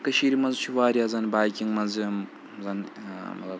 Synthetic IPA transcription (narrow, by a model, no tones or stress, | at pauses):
kɐʃiːɾimɐnzt͡ʃʰuʋaːɾʲiazɐnbaːjkʲiŋɡmɐnzɨm | zɐnmɐ̰t̪ɐ